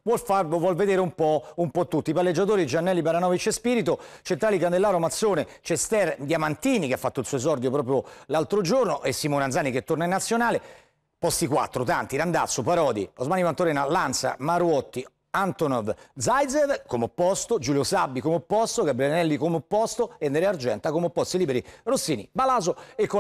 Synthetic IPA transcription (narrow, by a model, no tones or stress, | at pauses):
vwɔlfarlovwɔlved̪eːɾeumpɔumpɔt̪ːut̪ːipalːed͡ʒːat̪oːɾid͡ʒanːɛlːibaɾanɔvit͡ʃespiːɾit̪ot͡ʃent̪ɾaːlikand̪elːaːɾomat̪sːoːnet͡ʃɛst̪ɛrd̪jamant̪iːnikeafːat̪ːoilsuɔezɔrd̪jopɾɔːp̬ɾjolalt̪ɾod͡ʒornoʔesːimoːnand̪zaːniket̪ːornainːat̪sːjonaːle | pɔst̪ikwa̰t̪ːɾot̪ant̪iɾand̪at̪sːopaɾɔːd̪iozmaːnivant̪oɾɛːnalansa̰maɾuɔt̪ːi | ant̪onɔvd̪zaj̪zevkomeopːɔst̪od͡ʒuːljosabːikomeopːɔst̪oɡabɾilnɛlːikomeopːɔst̪oenːeɾeard͡ʒɛnt̪akomeopːɔst̪iliːbeɾirosːiːnḭbalaːzoekːo